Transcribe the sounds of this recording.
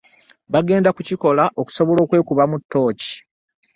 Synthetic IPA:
βaɡe̞ːndakuciko̞laʔo̞ku̥so̞βo̞lo̞ːkwe̞ːkuβamutːo̞ːci̥

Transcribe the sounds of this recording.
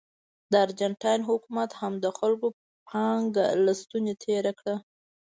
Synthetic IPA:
d̪əaɾd͡ʒaɳʈɑjnɦʊkumat̪hamd̪əxalko | pʰɑŋɡa̰last̪unet̪ʰeɾakɽa

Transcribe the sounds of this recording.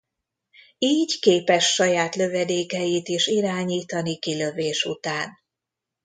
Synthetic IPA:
iːɟkeːpɛʃːɒjaːt̪lø̞vɛd̪eːkɛjit̪eːʃiɾaːɲiːt̪ɒnikilø̞veːʃṵt̪aːn

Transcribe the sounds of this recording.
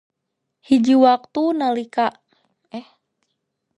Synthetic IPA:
hid͡ʒiwak̚t̪unalikaʔ | ɛh

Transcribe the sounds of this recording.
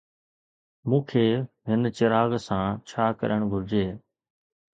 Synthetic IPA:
mũːkʰeː | ɦɪnt͡ʃɪɾaːɣsãːt͡ʃʰaːkə̰ɾəɳ̃ɡʱʊɾd͡ʒeː

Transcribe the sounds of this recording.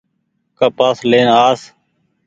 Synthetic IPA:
kəpaːsleːnaːs

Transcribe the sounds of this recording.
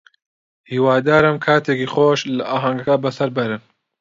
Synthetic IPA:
hiːwaːd̪aːɾɨmkʰaːt̪ʰeːkixoːʃlaʔaːɦɐŋɡɐkɐbɐsɐɾbɐɾɨn

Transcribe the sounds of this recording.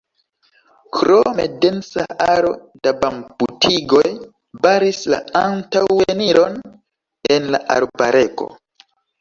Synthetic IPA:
kɾo̞mḛde̞nsa̰ʔaɾo̞̰ | dabambutʰiɡo̞j | baɾisla̰antaweniɾo̞n | e̞nla̰ʔa̰ɾbaɾʔe̞ko̞̰

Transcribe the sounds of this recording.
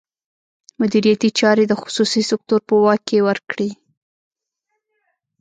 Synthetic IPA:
mʊd̪iɾijat̪it͡ʃɑɾed̪əxʊ̥susisɪk̚t̪uɾpuwɑkːewəɾkɽi

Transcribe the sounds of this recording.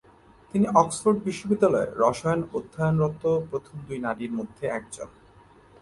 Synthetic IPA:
t̪iniʔɔksfoɾɖbiʃːobid̪ːalɔḛɾɔʃajnod̪ʱːaonɾɔt̪ːopɾot̪ʰomd̪ujnaɾiɾmod̪ʱːeɛk̚d͡ʑo̰n

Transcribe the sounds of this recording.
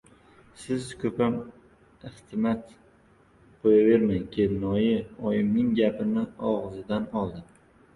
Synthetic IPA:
sɪzkʰɵpʰam | ɪht̪ʰɪmat̪ | bojave̞ɾmaŋkʲʰelnɒjɪɒjɪmnɪŋɡʲapʰɪnɪɒʁɨzɪd̪anɒlˠd̪ɪm

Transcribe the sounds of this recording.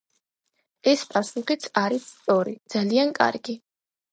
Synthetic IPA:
ɛspʼasuχit̪sʰaɾisːt̪sʼɔɾḭd̪z̥aliankʼa̰ɾɡi

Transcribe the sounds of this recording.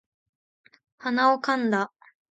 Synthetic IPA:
hanaokãnd̪a

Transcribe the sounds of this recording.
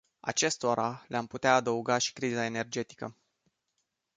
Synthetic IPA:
a̰t͡ʃe̞st̪oɾʔaleamput̪eaːd̪əuɡaʃi̥kɾizae̞ne̞rd͡ʒe̞t̪i̥kə̰

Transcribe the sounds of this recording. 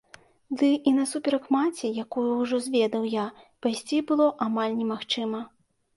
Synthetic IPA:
d̪ɨʔinɐsupʲɛɾɐkmat͡sʲijakujuwʐɔzʲvʲɛd̪ɐwjapajsʲt͡sʲibɨlˠɔʔamalʲnʲɛmaxt͡ʂɨmɐ

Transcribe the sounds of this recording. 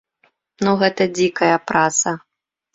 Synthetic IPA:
nuɣɛt̪ɐd͡zʲikɐjɐpɾat̪sɐ

